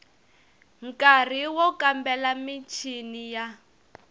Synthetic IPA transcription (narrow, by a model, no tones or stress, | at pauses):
ŋ̩kar̤iwɔkambɛlamit͡ʃʰinija